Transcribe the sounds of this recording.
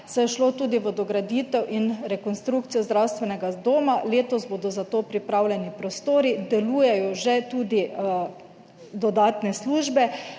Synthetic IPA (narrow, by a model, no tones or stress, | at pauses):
sɛjɛʃloːt̪uːd̪iʋəd̪ɔɡɾad̪iːt̪ɛwʔinɾɛkɔnst̪ɾukt̪sijɔzd̪ɾawst̪ʋɛnɛɡad̪oːmaleːt̪ɔzboːd̪ɔzat̪oːpɾipɾawlʲɛnipɾɔst̪oːɾid̪ɛluːjɛjɔʒɛt̪uːd̪i | d̪ɔd̪aːt̪nɛsluʒbɛ